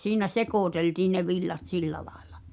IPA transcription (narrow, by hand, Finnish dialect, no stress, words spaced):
siːnæ sekoˑteltiːn̆ ne ʋilːɑt silːæ lɑe̥l̥ɑ̥